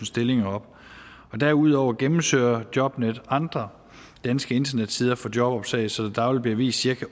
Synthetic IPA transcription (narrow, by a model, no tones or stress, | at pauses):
n̩sd̥e̝le̝ŋɐɒ̽b̥ | ɒ̽d̥æɐuð̞̰ˠɒʊɐɡ̥emm̩sø̰ːɐd̥jɒ̽b̥ned̥ɑ̈nd̥ʁɐ | d̥ænsɡ̥əe̝nd̥ɐned̥siːð̞ˠɐfɒ̽djɒ̽b̥ɒ̽b̥sɛ̰ɪsɒ̽d̥d̥ɑ̈ʊlbliɐʋḭːsd̥siɐkʰæ